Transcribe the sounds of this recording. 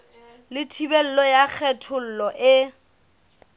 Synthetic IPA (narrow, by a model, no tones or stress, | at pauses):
lɪtʰibɛl̩lɔjak͡xʰɛtʰʊl̩lɔʔɪ